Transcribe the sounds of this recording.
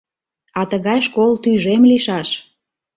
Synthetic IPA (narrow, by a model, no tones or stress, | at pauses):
ɑt̪əɣɑjʃkolt̪yʒemliʃɑʃ